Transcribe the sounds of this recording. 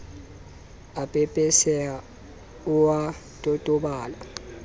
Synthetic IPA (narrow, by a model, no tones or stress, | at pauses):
apʼɛpʼɛsɛa | uwa | tʼɔtʼɔɓaːla